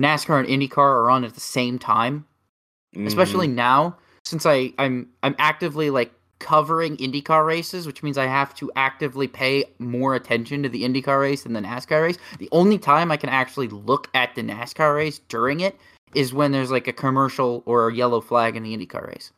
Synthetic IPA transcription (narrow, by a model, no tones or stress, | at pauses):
næskʰɑɹɨ̃nʔɪ̃ndikʰɑɹə˞ə̃nɨt̪̚ðəsẽɪ̃mtʰã̰ɪ̃m | ɨspɛʃl̩ˠinaʊ | sɪ̃nsaɪãɪ̃mãɪ̃mʔæk̚tɨvlilaɪkʰʌvə˞ɪ̃ŋɪ̃ndikʰɑɹɹeɪsɨzwɨt͡ʃmĩnzaɪɦæftʰɨʔæk̚tɨvlipʰeɪmɔɹɨtʰɛ̃nʃɨ̃ntɨðiɪ̃ndikʰɑɹɹeɪsð̃nðɨnæ̰skʰɑɹɹeɪsðiʔõʊ̃nlitʰãɪ̃maɪkʰɨ̃ñæk̚t͡ʃul̩ˠilʊkɨt̪̚ðɨnæ̰skʰɑɹɹeɪsd̥ʊɹɪ̃ŋɪɾ | ɪzwə̃nðə˞zlaɪkɨkʰɨmɜ˞ʃl̩ˠə˞ɨjɛlˠoʊflæɡɨ̃nðiɪ̃ndikʰɑ̰ɹɹḛɪs